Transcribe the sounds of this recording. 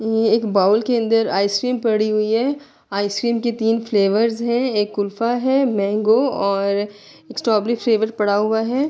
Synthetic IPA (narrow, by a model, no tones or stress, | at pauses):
jjeeːkbaːʊlkeɐ̃nd̪əɾaːɪskɾiːmpɐɽiɦʊiɦɛː | aːɪskɾiːmket̪iːnfleːʋəɾzɦɛ̃eːkːʊlfaɦɛmɛ̃ːŋɡoɔːɾ | eksʈɔːblifleːʋəɾpɐɽaɦʊaɦɛː